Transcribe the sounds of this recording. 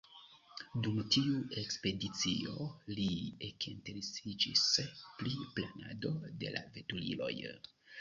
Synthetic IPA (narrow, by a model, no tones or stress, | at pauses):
dumtiue̞kspe̞dit͡sio̞liekenteɾesid͡ʒispliplana̰do̞de̞̰lʔa̰ve̞tulḭlo̞̰j